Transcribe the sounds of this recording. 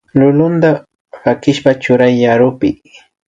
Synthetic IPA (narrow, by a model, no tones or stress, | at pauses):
lʊlʊnd̪a | pakɪʃpat͡ʃʊɾajːaɾʊpɪ̰